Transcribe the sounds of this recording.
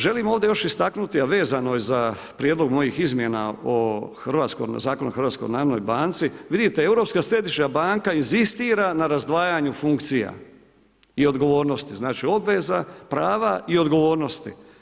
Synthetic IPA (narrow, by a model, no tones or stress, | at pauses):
ʒe̞limo̞ːʋd̪e̞jo̞ʃist̪aknut̪iaʋe̞ːzano̞jeza | pɾjed̪lo̞ɡmo̞jixizmje̞na̰oxrʋaːt̪sko̰zaːko̞nuxɾʋaːt̪sko̰jnaːɾono̰jbaːnt̪siʋid̪it̪ee̞wɾo̞pskasɾe̞d̪iʃɲabaːŋkainzist̪iːɾanaɾazd̪ʋaːjaɲufuŋkt̪sija̰ | io̞d̪ɡo̞ʋo̞ːɾno̞st̪iznaːt͡ʃio̞bʋe̞zapɾaːʋaʔio̞d̪ɡo̞ʋo̞ːɾno̞st̪i